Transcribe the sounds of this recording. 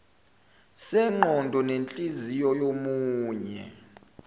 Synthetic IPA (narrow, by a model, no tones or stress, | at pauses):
sɛŋ͡ǃʱɔndʱɔnent͡ɬʼizijɔjomuːɲɛ̰